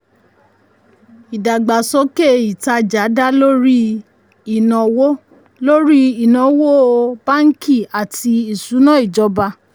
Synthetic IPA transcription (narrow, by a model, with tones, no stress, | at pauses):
i˨da˨ɡ͡ba˨sɔ˦ke˦˨i˨ta˧d͡ʒa˨˦da˦lo˦ɾi˦ | i˦˨nɔ̃˨wo˦ | lo˦ɾi˦i˨nɔ̃˨wo˦o˧ba˦ŋ̩˦ki˦˨a˨ti˧i˨su˨˦nã˦i˦˨d͡ʒɔ˨˧˦ba˧